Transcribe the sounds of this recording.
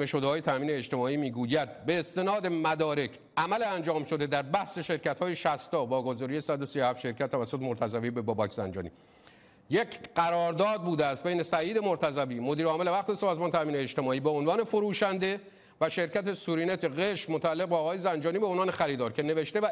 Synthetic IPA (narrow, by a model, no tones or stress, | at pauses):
eʃod̪eɒːje̞t̪ʰæmiːneːd͡ʒt̪e̞mɒːiːmiːɡuːjæd̪̚be̞ːst̪e̞nɒːd̪e̞mæd̪ɒːɾe̞cʰʔæmæleænd͡ʒɒːmʃo̞d̪e̞d̪æɾbæhse̞ʃe̞ɾcæt̪hɒːjeʃæst̪ɒːvɒːɡozɒːɾije̞sæd̪osijohæft̪ʃe̞ɾkcʰæt̪ːævæsːot̪ʰemoɾt̪ʰæzævibe̞bɒːbɒːkʰzæ̰nd͡ʒɒ̰ːnḭ | jecʰɢæɾɒːɾd̪ɒːd̪̚buːd̪eæst̪̚bejnesæiːd̪e̞moɾt̪ʰæzæviːmod̪iːɾɒːmele̞væxt̪ʰesɒːzmɒːnet̪ʰæmiːneed͡ʒt̪e̞mɒːiːbeonvɒːne̞foɾuːʃænd̪e̞ | væʃe̞ɾcæt̪ʰesuɾiːnet̪ʰeɣe̞ʃmot̪ʰæælːeɣ̚beːɣɒːjezænd͡ʒɒːniːbeonvɒːne̞xæɾiːd̪ɒːɾcʰe̞ne̞ve̞ʃt̪evæ